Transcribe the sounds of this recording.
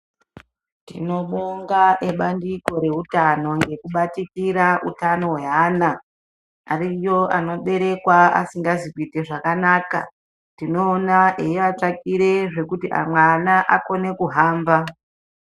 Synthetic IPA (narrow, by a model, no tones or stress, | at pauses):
tḭno̞ɓoŋɡaʔeɓandiko̞ɾe̞ɦutano̞ŋɡe̞kuɓatikiɾaʔṵtano̞we̞ɦaːna | arijo̞ʔano̞ɓe̞ɾe̞kwaa̰siŋɡazikuite̞ʐakanaːka̰ | tino̞ːnaʔejat͡ʂakiɾe̞ʐe̞kutiʔa̰mwanaʔako̞ne̞kuɦaːmba